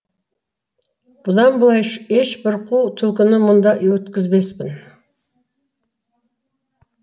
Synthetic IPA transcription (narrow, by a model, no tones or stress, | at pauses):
b̥ʊlˠɑmbʊlˠɑjʃeʃbɪɾqʰuwt̪ʰʊlkʲɪnɪmʊnd̪ɑwɵt̪kʲɪzbespɪn